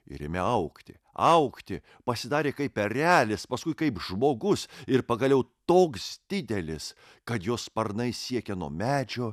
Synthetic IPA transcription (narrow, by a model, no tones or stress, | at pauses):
ɪ̰ɾʲɪ̰mʲɛɐʊkt̪ʲɪ̰ | ɐʊkt̪ʲɪ | pɐsʲɪd̪ɑːɾʲeːkɐɪpʲɛɾʲæːlʲɪspɐskʊɪkɐɪpʒmoːɡʊsɪɾpɐɡɐlʲɛʊt̪oːksd̪ʲɪd̪ʲɛlʲɪs | kɐt̪joːspɐɾnɐɪsʲiɛkʲɛnuɔmʲæːd͡ʒʲoː